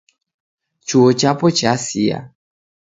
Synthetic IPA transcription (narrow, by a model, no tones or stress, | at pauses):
t͡ʃuot͡ʃapɔt͡ʃasija̰